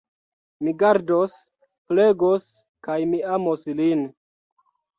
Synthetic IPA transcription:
miɡaɾdos | pleɡos | kajmiamoslin

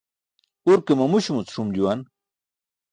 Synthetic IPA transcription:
uɾkemɐmuɕumut͡sʂumd͡ʑuwan

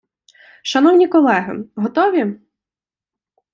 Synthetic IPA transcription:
ʃɐnɔwnʲikɔlˠɛɦɪ̰ɦɔt̪ɔʋʲi

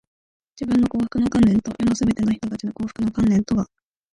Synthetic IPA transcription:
d͡ʑibɯ̟̃nːo̞ko̞ːɸɯ̟̥kɯ̟no̞kãnːẽ̞nt̪o̞jo̞nosɨbe̞t̪e̞naçi̥t̪o̞t̪at͡ɕino̞koːɸɯ̥kɯ̟no̞kãnlẽ̞nt̪o̞ɡa

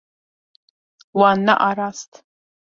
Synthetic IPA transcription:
wana̰ʔaɾastʰʼ

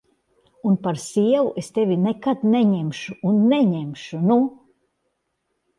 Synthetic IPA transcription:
unpaɾsʲiɛvuʔest̪evʲinekat̪nɛɲemʃuunːɛɲemʃunu

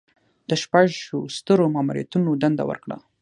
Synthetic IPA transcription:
d̪̥əʃpaʒʃost̪əɾomɑmuɾijat̪unod̪and̪a̰wə̰ɾkɽa̰

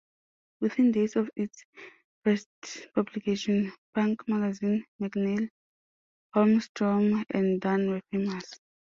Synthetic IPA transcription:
wiθĩndesɔfits | fɛstpʰablikʰeʃɔ̃nbãŋkmaɡazĩnmaɡnɛl | hɔmstɹɔmɛ̰̃ndanwɛfemas

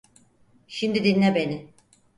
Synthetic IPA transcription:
ʃimd̪id̪inːʲɛbe̞nɪ

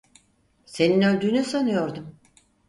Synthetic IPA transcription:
se̞ninø̞lʲd̪yːnysanɯjo̞ɾd̪um

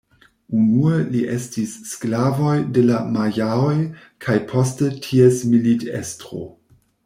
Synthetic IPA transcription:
unueliʔe̞stisːklavo̞jdelamajaoj | kʰajpʰo̞stetʰiesmilitḛstʁo̰

